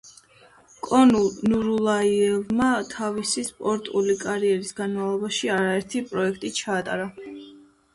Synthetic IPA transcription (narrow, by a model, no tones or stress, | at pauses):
kʼɔnunuɾulˠaiɛlmat̪ʰavisispʼɔɾt̪ʼulikʼaɾiɛɾisɡanmavlˠɔbaʃiaɾaɛɾt̪ʰipʼɾɔɛkʰt̪ʼit͡ʃʰaːt̪ʼa̰ɾa